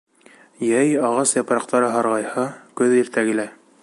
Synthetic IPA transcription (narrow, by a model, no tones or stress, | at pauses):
jæjɑʁɑsjɑpɑɾɑ̆q̚t̪ɑɾɤɦɑɾʁɑjhɑkɵðiɾt̪æɡɘ̆læ